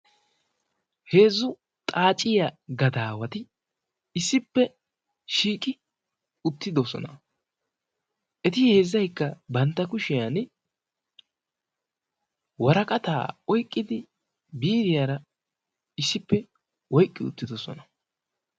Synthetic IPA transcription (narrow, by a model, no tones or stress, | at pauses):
he̞ːzːʊ | t̪ʼaːt͡ʃʼɪjɐɡɐd̪aːwɐt̪ɪ | ɪsːɪpːɛ | ʃiːkʼɪ | ʊt̪ːɪd̪ɔsɔ̰nɐ | ʔɛt̪ɪhe̞ːzːɐjkːɐbɐnt̪ːɐkʊʃɪjan | wɐɾɐkʼɐt̪a̰ːɔjkʼːɪd̪ɪ | biːɾɪjaːɾɐ | ɪsːɪpːɛ | wɔjkʼːɪʊ̰t̪ːɪd̪ɔsɔ̰nɐ